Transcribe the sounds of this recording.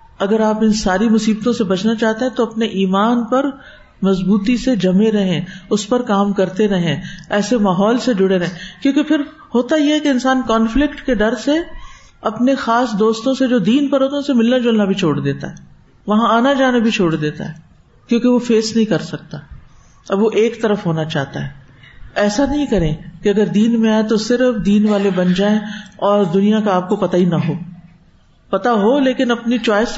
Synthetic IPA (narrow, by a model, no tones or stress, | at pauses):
ɐɡəɾaːpɪnsaːɾimʊsiːb̚t̪õsebɐt͡ʃnat͡ʃaːɦt̪eɦɛ̃t̪oɐpneʔiːmaːnpɐɾ | mɐzbuːt̪ised͡ʒɐmẽɾɐɦẽʊspɐɾkaːmkɐɾt̪eɾɐɦẽɛːsemaːɦɔːlsed͡ʒʊɽeɾɐɦẽkjõːkepʰɪɾ | hoːt̪ajeɦɛkeɪnsaːnkaːnflɪkʈked̪ɐɾse | ɐpnexaːsd̪oːst̪õsed͡ʒoːd̪iːnpɐɾɦoːt̪ãʊsemɪlːad͡ʒʊlnabʱit͡ʃʰoːɽd̪eːt̪a̰ɦɛː | ʋɐɦãaːnad͡ʒaːnabʱit͡ʃʰoːɽd̪eːt̪a̰ɦɛː | kjõːkeʋofeːsnɐɦĩkɐɾsɐk̚t̪a | ɐbʋoʔeːkt̪ɐɾəfɦoːnat͡ʃa̰ːɦt̪a̰ɦɛː | ɛːsanɐɦĩkɐɾẽkeɐɡəɾd̪iːnmẽaːet̪osɪɾfd̪iːnʋaːlebɐnd͡ʒaːẽɔːɾd̪ʊnijãkaaːp̚kopɐt̪ainɐɦoː | pɐt̪aɦoleːkɪnɐpnit͡ʃaːɪs